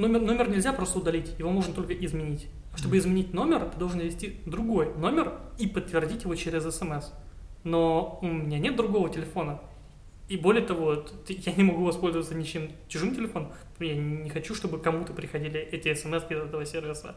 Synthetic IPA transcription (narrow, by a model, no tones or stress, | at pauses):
nomʲɪrno̞mʲɪrnʲɪlʲzʲapɾo̞st̪əʊd̪ɐlʲitʲjɪvo̞moʐnət̪o̞lʲkəʔɪzmʲɪnʲitʲ | ʂt̪obɨɪzmʲɪnʲit̚ʲno̞mʲɪrt̪ɨd̪olʐɨnvʲɪsʲtʲid̪ɾʊɡo̞jno̞mʲɪripət̪ːvʲɪrdʲitʲjɪvo̞t͡ɕeɾʲɪzɛsɛmɛs | no̞ʊmʲɪnʲanʲet̪̚d̪ɾʊɡo̞vətʲɪlʲɪfo̞nə | ibo̞lʲɪjət̪ɐvo̞t̪t̪janʲɪmɐɡuvɐspolʲzəvət̪sənʲɪt͡ɕemt͡ɕʊʐɨmtʲɪlʲɪfo̞nəm | janʲɪxɐt͡ɕuʂt̪o̞bɨkɐmut̪əpɾʲɪxɐdʲilʲɪʔɛtʲɪɛsɛmɛskʲizɛt̪əvəsʲe̞rvʲɪsə̰